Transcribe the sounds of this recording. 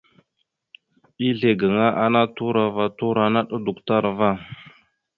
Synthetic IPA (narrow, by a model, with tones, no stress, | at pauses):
i˦ɮe˨ɡə˨ŋa˦ʔa˦na˦tu˦ɾa˨va˦tu˦ɾa˨na˦ɗə˦du˨kta˦ɾva˦˨